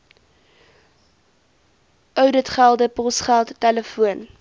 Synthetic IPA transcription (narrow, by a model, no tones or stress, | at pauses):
ʔœwdətχælˠdəpɔsχælˠtːɛləfuən